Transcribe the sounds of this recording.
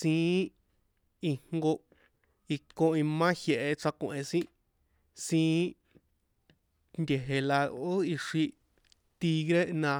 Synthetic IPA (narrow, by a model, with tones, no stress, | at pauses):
sĩː˧˨˦ | i˧ŋ̥ŋɡo˧ | i˧kõ˧ĩ˧mã˦hje˧ʔe˧t͡sa˧kʷẽ˨sĩ˦ | sĩː˧˦ | nd̪ʲe˨ɦe˧la˧o˦i˧ʂi˧ | t̪i˧ɣɾe˦ʔnã˧